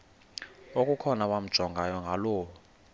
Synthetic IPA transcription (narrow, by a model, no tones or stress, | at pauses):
okʼukʰɔnawam̩d̥ʒ̥ʱɔŋɡʱajɔŋɡʱaloːwɔ